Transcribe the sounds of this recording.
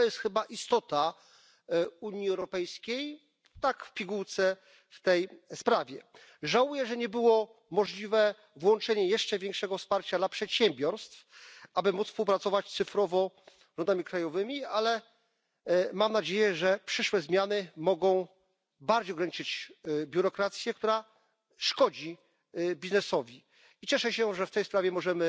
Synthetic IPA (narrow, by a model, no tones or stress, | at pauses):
ɔjɛst̪xɘbaʔist̪ɔt̪a | uɲiɛwɾɔɔpɛjskʲej | t̪akfpʲiɡuwt̪sɛ | ft̪ɛjspɾavʲjɛ | ʐawujɛʐɛɲɛbɘwɔ | mɔʐlʲivɛ | vwɔnt͡ʂɛɲɛjɛʂt͡ʂɛvʲjɛ̃ŋkʂɛɡɔfspaɾt͡ɕad̪lapʂɛt̪ɕɛmbʲjɔɾst̪fʔabɘmut̪sfspuwpɾat̪sɔvat͡ɕssɘfɾɔvɔ | ʐɔnd̪amʲikɾajɔvɘmʲialɛ | mamnad͡ʑejɛʐɛpʂɘʂwɛzmʲjanɘmɔɡɔ̃w̃ | baɾd͡ʑejɔɡɾaɲit͡ʂɘt͡ɕbʲjuɾɔkɾat̪sʲjɛkt̪uɾa | ʂkɔd͡ʑi | bʲiznɛsɔvʲi | it͡ɕɛʂɛɕɛʐɛft̪ɛjspɾavʲɛmɔʐɛmɘ